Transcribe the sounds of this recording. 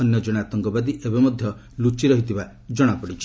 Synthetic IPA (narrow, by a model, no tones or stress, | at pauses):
ɔnjɔd͡ʒɔɽ̃at̪ɔŋkɔbad̪iʔebemɔd̪ʱjɔ | lut͡ʃiɾɔɦit̪ʰiba | d͡ʒɔɽ̃apɔɽit͡ʃʰi̥